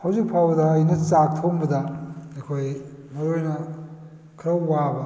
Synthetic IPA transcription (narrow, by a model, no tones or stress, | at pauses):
hɐwzik̚pʰawdɐːjnɐt͡sak̚t̪ʰowmbɐdɐekʰoj | mɐɾojnɐ | kʰɐɾɐwːabɐ